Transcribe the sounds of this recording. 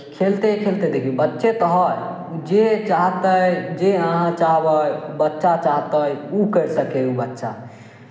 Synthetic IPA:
kʰelt̪ekʰelt̪ɛd̪ekʰibətːʃet̪əɦəj | ud͡ʒet͡ʃaɦt̪əjd͡ʒeəɦãt͡ʃaɦbəjbətːʃat͡ʃaɦt̪əjukəɾsəkeubətːʃa

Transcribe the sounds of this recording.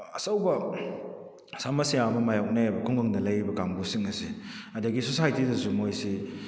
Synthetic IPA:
ɐsɐwbɐ | samɐsijamɐmajawk̚naabɐkʰɔŋɡɯŋdɐlɐjɾibɐkaŋbusiŋɐsiɐdɐɡisosajtidɐsumojsi

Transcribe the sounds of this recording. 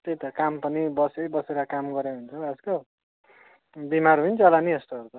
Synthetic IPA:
t̪ejt̪ʌkampʌnibʌsebʌseɾʌkamɡʌɾeɦunt͡sʰʌʌd͡zko | bimarɦuint͡sʌlaniʌst̪oʌɾut̪ʌ

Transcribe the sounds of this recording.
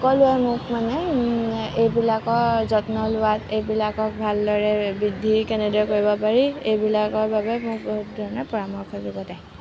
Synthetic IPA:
ɔkɔlʊɛmʊkmanɛ | ejbilakɔɹzɔtnɔlʊwatejbilakɔk̚bʱaldɔɹɛbidʱːikɛnɛdɔɛkoɹibɔpaɹiejbilakɔɹbabɛmʊk̚boɦutdʱɔɹɔnɔpɔɹamɔkʰɔzɔɡɔdɛj

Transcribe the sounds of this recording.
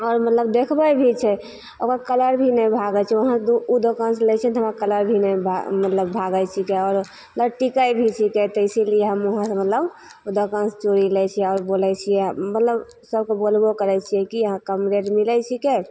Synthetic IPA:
ɔːɾmət̪ləb̚d̪ekʰbəjbʱit͡ʃʰɛ | okɾakələɾbʱinəbʱaɡət͡ʃʰɛoɦãsd̪uud̪okanselɛt͡ʃʰɛt̪ɦəmãkələɾbʱinəjbʱamət̪ləbːʱaɡət͡ʃʰikeɔːɾ | mət̪əbʈikəjbʱit͡ʃʰiket̪əɪsilieɦəmoɦãsə̃mət̪ləb | ud̪okanst͡ʃoɾilɛt͡ʃʰiɛɔːɾbolɛt͡ʃʰijɛmət̪ləb | səbkebolbokəɾɛt͡ʃʰijɛkiəɦãkəmɾeɾmilɛt͡ʃʰike

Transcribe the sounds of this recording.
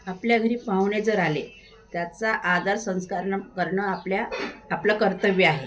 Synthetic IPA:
apljaɡʱəɾiːpãʋɳed͡zəɾale | t̪jat͡saʔad̪aɾsə̃w̃skaɾɳkəɾɳəapljaːplakəɾt̪əʋiaɦe

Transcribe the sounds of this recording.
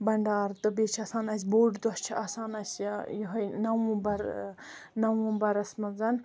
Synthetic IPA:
bɐɳɖaːɾt̪ɨbet͡ʃʰɐsaːnɐsʲboːɖd̪ɔst͡ʃʰiɐsaːnɐsʲjjoɦɐjnɐwũbɐɾ | nɐwũbɐɾɐsmɐzɐn

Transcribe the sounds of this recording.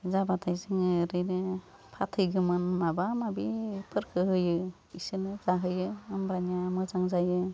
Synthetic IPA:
zabatʰajzɯŋɯɾɯjnɯ | pʰatʰɯjɡɯmɯnːabamabipʰɯɾkʰɯɦɯjɯ | isɯnɯzaɦɯjɯɯmbanjamɯzaŋzajɯ

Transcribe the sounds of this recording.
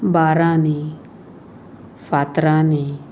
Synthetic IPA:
baɾani | fat̪ɾani

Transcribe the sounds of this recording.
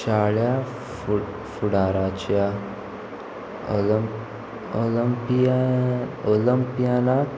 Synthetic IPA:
ɕaɭja | fuɽaɾat͡ɕja | oləmpiaoləmpijana

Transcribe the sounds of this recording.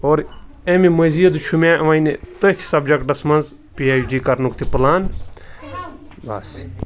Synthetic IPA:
oːɾemimɐziːɐd̪ut͡ʃʰumãːʋɐjnet̪ot̪ʰi̥sɐb̚d͡ʒɐkɖɐsmɐnz | piaːjd͡ʒiːkɐɾnukt̪ʰiplaːn | ba̰ːs

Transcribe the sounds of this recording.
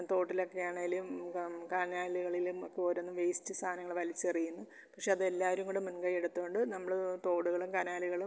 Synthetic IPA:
t̪o̞ːʈːilokːejaːɳeilumkanaːliɣɐɭilumokːepoːɾonːɨʋejstɨst̪ʰaːnɐŋːɐɭʋɐlit͡ɕːɐrijunːu | pɐkʂeɐðe̞lːaːʋɐɾumɡuɽemunɡɐjiɽut̪ːuɣoɳɖɨnɐmːɐɭt̪o̞ːɽuɣɐɭumkanaːliɣɐɭum

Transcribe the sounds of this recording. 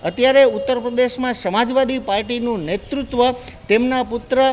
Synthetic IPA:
ət̪jaɾeut̪ːəɾpɾəd̪eʃmãsəmad͡ʒʋad̪ipaɾʈinũnet̪ɾut̪ʋət̪emnapʊt̪ɾə

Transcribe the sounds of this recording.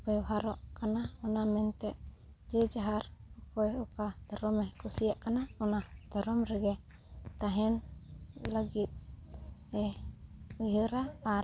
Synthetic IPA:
bɛɦaɾɔʔkanaɔnamɛnt̪ɛʔ | d͡ʒɛd͡ʒaɦaɾɔkɔjɔkad̪̥ʱɔɾɔmɛkʰusijaʔkanaɔnad̪̥ʱɔɾɔmɾɛɡɛ | t̪aɦɛn | ləɡit̪̚ | ɛ | ujəɾaː

